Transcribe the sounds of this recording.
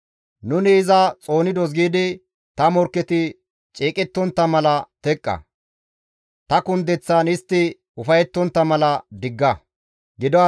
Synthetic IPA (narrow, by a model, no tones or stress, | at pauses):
nʊnɪɪzɐt͡sʼo̞ːnɪd̪ɔs̬ɡiːd̪ɪ | t̪ɐmɔɾkːɛt̪ɪ | t͡ʃʼeːkʼɛt̪ːɔnt̪ːɐmɐlɐt̪ɛkʼːɐ̰ | t̪ɐkʊnd̪ɛt͡sːɐnɪst̪ːɪ | ʊfɐjɛt̪ːɔnt̪ːɐmɐlɐd̪ɪɡːɐ | ɡɪd̪ɔɐ